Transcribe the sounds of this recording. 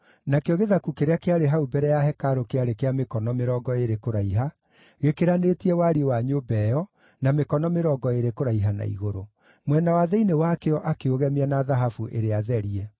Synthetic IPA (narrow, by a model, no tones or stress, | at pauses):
nakeoɣeðakukeɾeakeaɾeɦaubɛɾɛjaɦɛkaɾokeaɾekeamekɔnɔmeɾɔɡɔeɾekoɾaiɦa | ɣekeɾanetiɛwaɾiwaɲobɛjɔ | namekɔnɔmeɾɔːɡɔeɾekoɾaiɦana̰ḭɣoɾo | mwɛnawaðɛinewakeɔʔakeoɣɛmeanaðaɦafuʔeɾeaðɛɾiɛ